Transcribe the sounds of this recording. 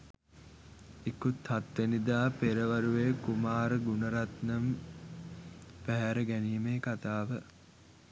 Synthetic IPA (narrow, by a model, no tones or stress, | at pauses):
ekut̪hat̪ʋenid̪aːpeɾəʋaɾuʋeːkumaːɾəɡunəɾat̪nəm | pæɦæɾəɡæniːmeːkat̪aːʋə